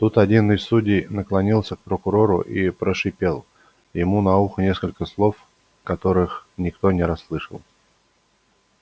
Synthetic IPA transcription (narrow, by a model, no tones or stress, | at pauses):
t̪ut̪ɐdʲinɨsʲsudʲɪjnəklˠɐnʲilˠsʲək̚pɾəkʊɾo̞ɾʊ̰ʔipɾəʂɨpʲe̞lˠ | jɪmunɐuxnʲeskəlʲkəslˠo̞f | kɐt̪o̞ɾɨxnʲɪkt̪o̞nʲɪɾɐsːlˠɨʂə̰lˠ